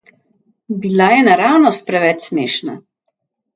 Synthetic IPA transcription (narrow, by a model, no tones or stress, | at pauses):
bilajɛnaɾaːwnɔst̪̚pɾɛʋɛt͡ʃsmeːʃna̰